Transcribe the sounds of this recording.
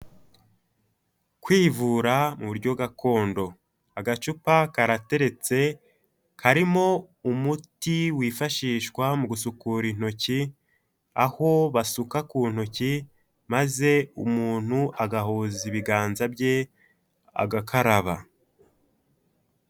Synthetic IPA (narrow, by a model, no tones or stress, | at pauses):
kwiːvuːɾamuβuɾɟo̞ɡakʰo̞ːndo̞ | aɡat͡ʃupakaɾate̞ɾe̞t͡se̞ | kʰaɾimo̞ | umutiwiːfaʃiːʃkwamuɡusukuɾin̥o̞ci | aho̞βasukakuːn̥o̞ci | maze̞umuːn̥huaɡahoziβiɡaːnzabɟe̞ | a̰ɡakʰaɾaβa̰